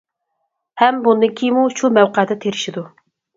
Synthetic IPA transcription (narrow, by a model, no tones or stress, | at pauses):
hɛmbund̪ɨŋkʲʰijmuʃumɛwqɛd̪ɛt̪ʰeɾɪʃid̪u